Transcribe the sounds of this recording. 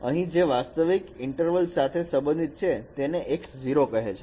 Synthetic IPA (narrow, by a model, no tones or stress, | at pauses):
əɦĩd͡ʒeʋast̪əʋikɪɳʈəɾʋəlsat̪ʰesə̃mbə̃nd̪ʱit̪̚t͡ʃʰet̪eneʔekd͡ʒiɾokəɦet͡ʃʰe